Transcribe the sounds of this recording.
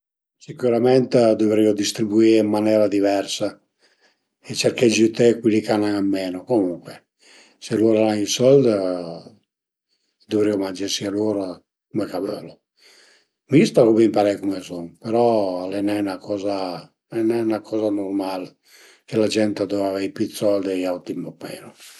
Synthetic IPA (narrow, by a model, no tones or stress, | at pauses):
sikuɾamɛnt̪ed̪ovɾiːod̪ist̪ɾibuiːimːanɛːɾad̪ivɛrsa | et͡ʃeɾkɛd͡ʒit̪ekwilikanaŋamːɛːnokomuŋkwe | seloːɾalaŋisɔld̪ | d̪ovɾiomand͡ʒesialoːɾa | kumekaβølo | mist̪akuβimpaɾɛjkumesɔŋpeɾɔalɛnɛnakɔːza | ɛnɛunakʰɔːzanormal | kelad͡ʒɛnt̪ad̪ɔavaipit̪sɔld̪iawt̪impɔmɛ̰ːno